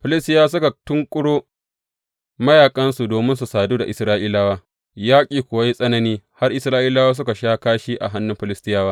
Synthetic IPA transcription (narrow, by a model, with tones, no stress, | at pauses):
ɸɪ˨lɪ˦stɪ˦jaː˦s̬ʊ˦ka˨tʊ˦ŋkʷʼʊ˦ɽoː˦ | mɐ˦jaː˨kʼɐ˦nsu˨doː˨mɪ˦nsu˨saː˨duː˦da˨ʔɪ˨sɾaː˦ʔiː˦laː˦waː˦ | jaː˦kʲʼiː˨kʷʊ˨a˦ji˦sʼɐ˦nɐ˨niː˦ha˦rʔɪ˨˦sɾaː˦ʔiː˦laː˦waː˦s̬ʊ˦ka˨ʃaː˦kaː˦ʃi˦ʔa̰˨ɦa˦nːʊ˦mɸɪ˨lɪ˦stɪ˦jaː˦waː˦